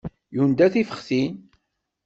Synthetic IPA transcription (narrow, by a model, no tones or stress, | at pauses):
jund̪æθifəχsin